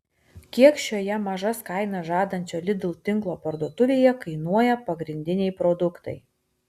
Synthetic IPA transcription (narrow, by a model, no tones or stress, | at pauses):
kʲiɛkʃʲoːjɛmɐʒɐskɑˑɪnɐʒɑːd̪ɐnʲt͡ʃʲoːlʲɪd̪ʲʊlˠt̪ʲɪŋˑklˠoːpɐɾd̪uɔt̪ʊʋʲeːjɛkɐɪnuɔjɛpɐɡɾʲɪnʲd̪ʲɪnʲɛɪpɾɔd̪ʊkt̪ɐ̰ɪ